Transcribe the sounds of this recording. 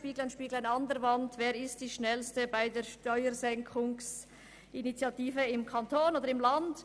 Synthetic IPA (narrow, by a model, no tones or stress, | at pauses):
piːɡl̩anʃpiːɡl̩aɪnɑndəɾvɑntveːɾɪst̚d̥iːʃnɛlstəbaɪdeːɾʃtɔʏəɾzɛŋkʰʊŋs | ʔinit͡sjɑtiːfəɪmkʰɑntʰoːnoːdəɾɪmlɑnd